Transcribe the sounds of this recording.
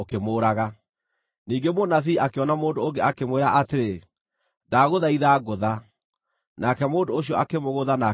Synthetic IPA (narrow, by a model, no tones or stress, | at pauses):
okemoːɾaɣa | niːŋɡemonaθiːakeɔnamoːndooŋɡeakemweɾaʔateɾe | daɣoðaiðaɣoða | nakɛmoːndooɕiɔakemoɣoðana